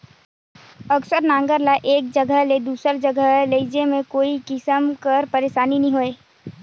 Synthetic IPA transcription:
əksəɾnãːŋɡəɾlaʔeːk̚d͡ʒəɡʱəɦled̪uːsəɾd͡ʒəɡʱəɦleɪd͡ʒemẽkoːikɪsəmkəɾpəɾeːʃaːninɐɦĩɦoːeː

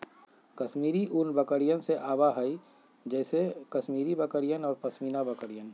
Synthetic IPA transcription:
kɐsmiːɾiʔunbəkəɾijənseʔaːbaɦəi | d͡ʒɛːsekɐsmiːɾibəkəɾijənɔːɾpɐsmiːnabəkəɾijən

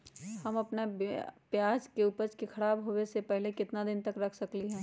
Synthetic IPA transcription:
hɐmɐpnabpjaːd͡ʒkeuːpəɾt͡ʃkixʰɐɽaːbɦoːwesepɛɦlekɪt̪nad̪ɪnt̪ɐkɾɐkʰsɐkliɦɛ̃ː

